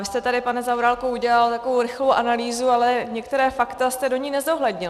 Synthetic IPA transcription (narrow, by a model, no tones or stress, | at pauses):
vɪst̪ɛt̪adɪpanɛzawɾaːlkouɟɛlalt̪akovowɾɪxlowʔanaliːzualɛɲɛkt̪ɛɾɛːfakt̪ast̪ɛdo̞ɲiːnɛzoɦlɛdɲɪl